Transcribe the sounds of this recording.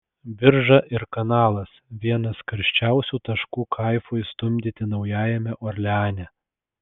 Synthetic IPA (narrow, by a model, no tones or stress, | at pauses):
bʲɪɾʒɐʔɪɾkɐnɑːlˠɐsʋʲiɛnɐskɐɾʲʃʲt͡ʃʲæˑʊsʲuːt̪ɐʃkuːkʰɐɪfoːjst̪ʊmʲd̪ʲɪt̪ʲɪnɒʊjæːjɛmʲɛʔɔɾʲlʲɛɑːnʲɛ